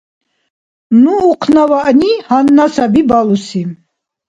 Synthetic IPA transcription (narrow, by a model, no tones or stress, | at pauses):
nuːqʰnavaʔnihanːasabibalusi